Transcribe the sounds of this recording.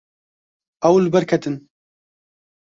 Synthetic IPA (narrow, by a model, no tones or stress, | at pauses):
ɐwlɨbɛɾkʰɛt̪ʰɨn